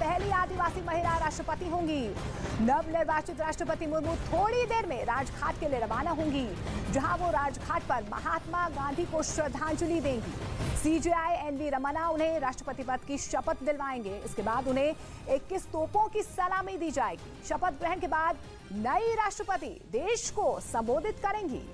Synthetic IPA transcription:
pɛɦliaːd̪iʋaːsimɐɦɪɾaɾaːʃʈɾəpət̪iɦõːŋɡi | nɐʋneɾʋaːt͡ʃɪt̪ɾaːʃʈɾəpət̪imʊɾmuːt̪ʰoːɽid̪eːɾmẽɾaːd͡ʒkʰaːʈkelieɾɐʋaːnaɦõːŋɡi | d͡ʒɐɦãʋoɾaːd͡ʒkʰaːʈ̚pɐɾmɐ̰ɦaːt̪maɡãːnd̪ʱikoʃɾɐd̪ʱãːnt͡ʃʊlid̪ẽːŋɡḭːsid͡ʒiaːjɛːnʋiɾɐmanaʊnɦẽɾaːʃʈɾəpət̪ipɐt̪kiʃɐpət̪d̪ɪlʋaːẽːŋɡeɪskebaːd̪ʊnɦẽ | eːkːɪst̪oːpõkisɐlaːmid̪iːd͡ʒaːeːɡiʃɐpət̪ɡɾɛɦənkebaːd̪ | nɐiɾaːʃʈɾəpət̪ḭd̪eːʃkosɐ̃mboːd̪ʱɪt̪kɐɾẽːŋɡḭː

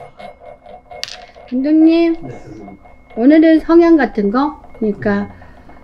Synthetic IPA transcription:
kindoŋɲi | onɯɾɯɭsʰʌŋɦjaŋɡatʰɯnɡʌkɯɲik͈a

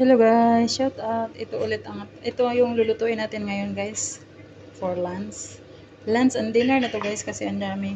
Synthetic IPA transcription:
sɐloɡajʃot̪ɐt̪ʔɪt̪oʔʊlɛt̪ɐŋat̪̚ʔɪt̪ojʊŋlʊlʊt̪uʔɪnaːt̪ɪnŋɐjonɡajs | foɹlans | lansɐnd̪ɪnɐɹnɐt̪oɡajskɐsɛʔɐnd̪aːmɪ

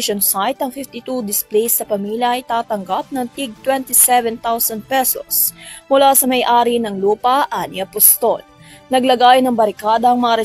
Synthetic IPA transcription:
ʃonsajt̪ɐŋfɪft̪it̪ud̪ɪsplejsːɐpɐmiːljɐɐjt̪aːt̪ɐŋɡap̚nɐŋt̪iɡ̚t̪wɛnt̪isɛvɛnt̪awsɐnd̪̚pɛso̰smʊlasɐmɐjʔaːɾinɐŋluːpɐʔanɪɐpʊst̪ol | nɐɡlɐɡaːjonɐŋbɐɾɪkaːd̪ɐːŋmɐŋaɾɛ

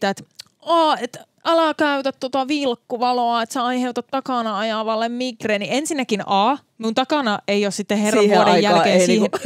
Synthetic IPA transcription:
t̪æet̪ | ɑːet̪ | ɑlɑkæyt̪æt̪t̪ot̪ɑʋilkːuʋɑloɑet̪seɑiheut̪ɑt̪t̪ɑkɑˑnɑɑjɑʋɑlːemmikreːniensinːækinʔɑː | miunt̪ɑkɑˑnɑeiossit̪ːeherɑːodejjælkeːniːh

